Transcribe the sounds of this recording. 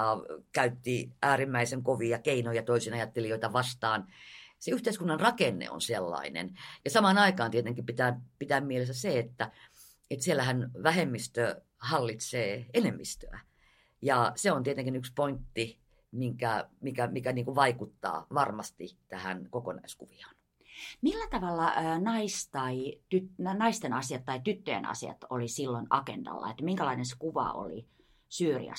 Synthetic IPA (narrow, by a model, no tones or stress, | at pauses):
ɑkæyt̪ːiʔæːrimːæiseŋkoʋiɑkeinojɑt̪oisinɑjɑt̪ːelijoit̪ɑʋɑst̪ɑːnseyht̪eˑiskunːɑnrɑkenːḛo̰nselːɑ̰inḛnjɑsɑmɑːnɑikɑːnt̪iet̪eŋkipit̪æːpit̪æːmmielesːæseet̪ːæ | et̪sielːæhænʋæhemːist̪ø | hɑlːit̪seːenemːist̪øæ̰ | jɑseont̪iet̪eŋkinykspoint̪ːi | miŋkæmikæmikæniːŋkuʋɑikut̪ːɑ̰ːʋɑrmɑst̪it̪æhænkokonɑ̰iskuʋiɑ̥n | milːæt̪ɑʋɑlːɑːnɑist̪ɑit̪yt̪nnɑist̪enɑsiɑt̪t̪ːɑit̪yt̪ːøjḛnɑ̰sḭɑ̰t̪olisilːonɑkḛnd̥ɑ̰lːɑ̰et̪ːmiŋkælɑinense̥kuʋɑ̰o̰lḭ | syːrḭɑ̰